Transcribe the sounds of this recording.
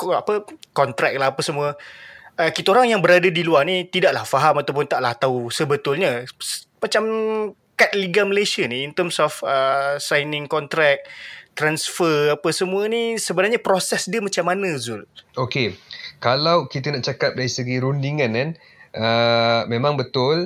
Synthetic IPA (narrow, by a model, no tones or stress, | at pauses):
kapəkɔnt̪ɾɛk̚laɦapəsəmuə | əkit̪aoɾaŋjaŋbəɾadadiluarnit̪idaʔlahfaɦamat̪awp̬ʊnt̪aʔlaht̪ausəbət̪ʊlɲasmat͡ʃam | kat̪̚liɡaməlesiəniːnt̪əmsɔfəsajnɪŋkɔnt̪ɾɛk̚t̪ɾansfərapəsəmuənisəbənarɲapɾosɛsdiəmat͡ʃamːanə̃zʊlokekalawkit̪ənaʔt͡ʃakap̚daɾisəɡiɾundiŋãnkan | əmẽmãŋbət̪ʊl